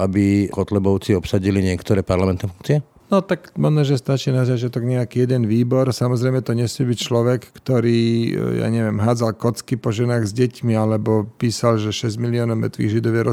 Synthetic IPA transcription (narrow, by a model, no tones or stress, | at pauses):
abikɔt̪lɛbɔʊt͡siɔpsaɟiliɲɪɛkt̪ɔɾɛːpaɾlamɛnt̪nɛfuŋkt͡siɪɛ | nɔt̪akmanaʒɛst̪at͡ʃiːnazat͡ʃɪat̪ɔɡɲɛakiːjɛd̪ɛnʋiːbɔɾsamɔzɾɛjmɛt̪ɔɲɛsmɪɛbict͡ʃlɔʋɛkːt̪ɔɾiːja̰ːɲɛʋɪɛmɦaːd͡zalkɔt͡skipɔʒɛnaːɣzɟɛcmialɛbɔpiːsalʒɛʃɛzmiliɔːnɔʊmɛ̰t̪ʋḭːɣʒid̪ɔʋjɛɾɔ